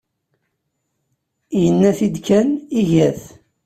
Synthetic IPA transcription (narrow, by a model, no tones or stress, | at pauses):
jənːæθid̪kæniʝæθ